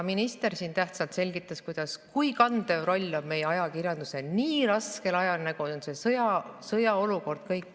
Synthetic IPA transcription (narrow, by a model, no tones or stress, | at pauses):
minist̪e̞rsiːnt̪æht̪sɑlt̪se̞lʲɡit̪ːˑɑskujd̪̥ɑskujkɑnd̪evro̞lʲːo̞bme̞jeɑjɑkirjɑnd̪useniːɾɑske̞lɑjɑlnæɡ̥uonsesɤjɑsɤjɑo̞luko̞rd̪̥kɤjkː